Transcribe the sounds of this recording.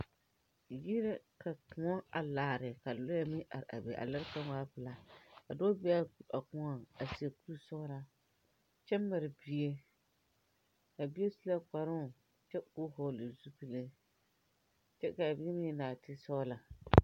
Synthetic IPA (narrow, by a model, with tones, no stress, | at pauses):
ji˦ɾɛ˦ka˨kʊ˨ɔ˦a˨laː˨ɾɪ˨ka˨lɔ˦ja˦mɪ˦ʔa̰˨ɾa̰˨bɛ˨ʔa̰˨la˦ɾka˦ŋ˦aː˦pɨ˨la˨ka̰˨dɔː˦bɛ˦a˦˨a˨kʊ˨˦ŋa˦˨a˨si˨e˨ku˦sɔ˦la˦ | t͡ʃɛ˦ma˨ɾɪ˨bi˦e˦ | ka˨bi˦e˦su˦la˦ka˨ɾʊ˦˨ | t͡ʃɛ˦kʊ˦ɦɔ˨lɨ˨zu˦pi˦le˦ | t͡ʃɛ˦ka˨bɪ˦e˦mɪ˦˨naː˨tɪ˦sɔ˦la˨